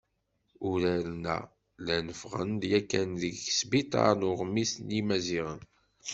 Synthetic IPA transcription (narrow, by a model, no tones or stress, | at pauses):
ʊɾælnæ̰ | lænəfʁə̰nd̪jækːænðəɡsbit̪ɑ̰ɾnʊʁmːisnimæziʁən